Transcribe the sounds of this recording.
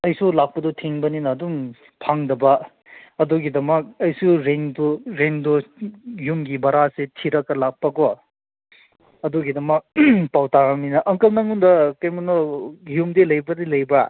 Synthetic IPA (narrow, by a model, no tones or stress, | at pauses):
ɐjsulak̚pɐdɔtʰiŋbɐninɐːdum | pʰaŋdɐbɐ | ɐduɡidɐmɐk̚ɐjsuɾeŋduɾeŋdɔjumɡibɐɾasetʰiɾɐkːɐlak̚pɐɡɔ | ɐduɡidɐmɐk̚pawtaɾaŋninɐʔɐŋkɐlnɐŋundɐkɐjmɐnɔjumdilɐjbɐdilɐjbɐ